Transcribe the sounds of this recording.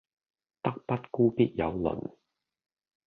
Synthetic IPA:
t̪ɐ˥k̚pɐ˥t̚kuː˥piː˥t̚jɐ̰˨˧wlɵ̰˨˩n

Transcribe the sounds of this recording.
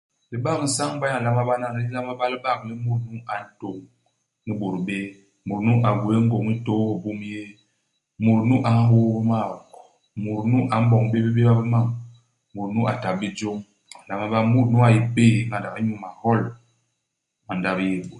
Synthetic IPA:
li˦ba˦kn̩˨sa˦ŋ˦ba˦a˨la˦ma˦ba˦na˦i˦la˦ma˦ba˦li˦ba˦˨kli˦mu˨ɾnu˦ʔa˨n̩˦to˨ŋ | ni˦bu˨ɾbe˦ | mu˨ɾnu˦ʔa˨ɡwe˦ŋ̩˦ɡo˨ŋi˦to˦o˨bu˦m˦je˦ | mu˨ɾnu˦ʔa˨˦ɦo˦bi˦ma˦˨ | mu˨ɾnu˦ʔa˨˦m̩˦bɔ˨ŋbe˦be˦be˦ba˦bi˦ma˦˨ŋ | mu˨ɾnu˦ʔa˨ta˨bi˦d͡ʒo˦ŋ | a˨la˦ma˦ba˦mu˦ɾnu˦a˨ji˦pe˦˨˦ŋa˨da˨ka˦ɲu˦ma˨hɔ˦l | ma˨nda˦bje˨bo˨

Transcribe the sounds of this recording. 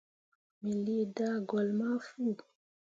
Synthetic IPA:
mi˨li˦da˦ɡɔ˨lma˦fu˦˨

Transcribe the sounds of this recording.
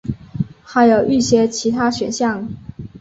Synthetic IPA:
xa˧˥ɪjo˨˩ʊʔy˥˩ɕjɛ˥t͡ɕʰi˧˥t̪ʰa˥ɕɥɛ˨˩nɕjɑ˥˩ŋ

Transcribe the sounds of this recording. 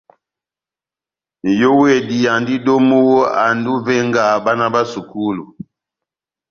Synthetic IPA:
jo˦we˦˨di˨ja˨ndi˦do˦mu˦a˨ndu˦vɛ˦ŋɡa˨ba˦na˦ba˦su˨ku˦lu˨

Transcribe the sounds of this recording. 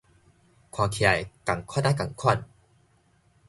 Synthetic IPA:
kʰwaː˧˩kʰi˨a˨˩jka˨˩ŋkʰna˦˥ka˨˩ŋkʰɔ˥˩˨n

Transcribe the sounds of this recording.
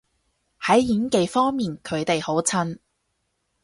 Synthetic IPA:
hɐ˨˥jjiː˨˥nke˨˧jfɔː˥ŋmiː˨nkʰɵ˨˧ɥt̪e˨jho˨˥wt͡sʰɐ˥n

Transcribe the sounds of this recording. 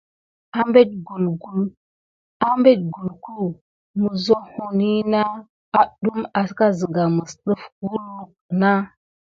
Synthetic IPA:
a˦mbe˦t̚ɡu˨lɡu˦l | a˦mbe˦t̚ɡu˨lku˦ | mu˨zo˦hu˨ni˦na˦ | a˨ɗu˦ma˨ska˦zə˨ɡa˨mə˨sɗə˦fɡu˦lːu˦k̚na˦

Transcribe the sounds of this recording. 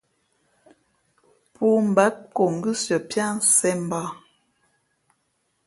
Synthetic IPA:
pu˦m̩˨ba˦k̚ko˨ŋ̩˨ɡɨ˦sə˨pja˦n̩˦sɛ˦m˨ba˦˨

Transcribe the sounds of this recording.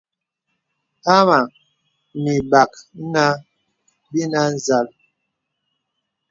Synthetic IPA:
ha˦ma˨ | ni˨ba˨kna˦ | bi˦na˦n˦˨za˨l

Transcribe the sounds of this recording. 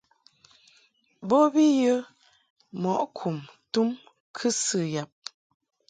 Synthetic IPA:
bo˦bi˦jə˦ | mɔ˨ʔkʰu˨mtu˦m | kʰɨ˦sɨ˦˨ja˨p̚

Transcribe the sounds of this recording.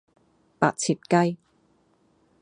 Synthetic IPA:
pa̰ː˧t̚t͡sʰiː˨˧t̚kɐ˥j

